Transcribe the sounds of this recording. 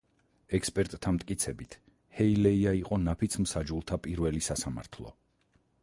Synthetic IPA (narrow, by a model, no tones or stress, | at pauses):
ɛkspʼɛɾt̪ʼt̪ːʰamt̪ʼkʼit̪sʰɛbit̪ʰ | hɛilɛiaiqʼɔnapʰit̪sʰmsad͡ʒulˠt̪ʰapʼiɾvɛlisasama̰ɾt̪ʰlˠɔ̰